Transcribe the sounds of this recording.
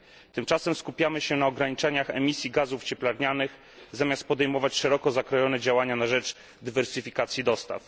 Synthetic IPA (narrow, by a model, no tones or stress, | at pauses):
t̪ɘmt͡ʂasɛmskupʲjamɘɕɛnaɔɡɾaɲit͡ʂɛɲaxɛmʲisʲjiɡazuft͡ɕɛplaɾɲanɘx | zamʲjast̪̚pɔd̪ɛjmɔvat͡ɕʂɛɾɔkɔzakɾɔjɔnɛd͡ʑawaɲanaʐɛt͡ʂ | d̪ɘvɛɾsɘfʲikat̪sʲjid̪ɔst̪a̰f